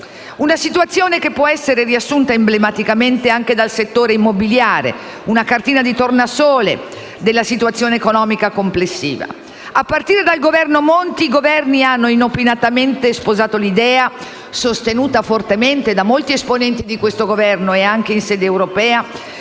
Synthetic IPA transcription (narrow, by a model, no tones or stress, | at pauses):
unasit̪uat̪sːjoːnekepːwɔɛsːeɾeriasːunt̪aemblemat̪ikament̪eaŋk̟ed̪alset̪ːoːɾeimːobiljaːɾḛ | unakart̪iːnad̪it̪ornasoːle | d̪elːasit̪uat̪sːjoːneːkonɔːmikakomplesːiːva̰ | apːart̪iːɾed̪alɡovɛrnomont̪iɡovɛrnianːoinopinat̪ament̪espozaːt̪olid̪ɛːa | sost̪enuːt̪afort̪ement̪ed̪amolt̪iesponɛnt̪id̪ikwest̪oɡovɛrnoeaŋkeinsɛːd̪eːwɾopɛːa